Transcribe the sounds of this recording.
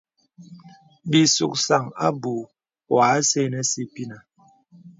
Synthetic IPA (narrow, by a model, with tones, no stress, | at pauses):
bi˨sṵ˨k̚sa˨ŋa̰˦bu˨ | waː˨˦se˦˨nɛ˦si˦pi˦na˨